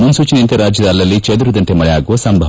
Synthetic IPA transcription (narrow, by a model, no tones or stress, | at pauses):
munsuːt͡ʃinent̪ɐɾaːd͡ʒjɐd̪aːlːɐlːit͡ʃed̪uɾud̪ɐɳʈemɐɭɐjaːɡuʋɐsɐmbʱɐʋɐ